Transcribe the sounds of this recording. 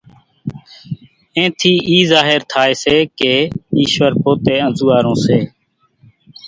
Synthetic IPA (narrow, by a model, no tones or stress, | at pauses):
ẽːt̪ʰiːʔiːzaːɦeɾt̪ʰaːeːseːkeːiːʃʋəɾpoːt̪eːə̃nzuːaːɾõːseː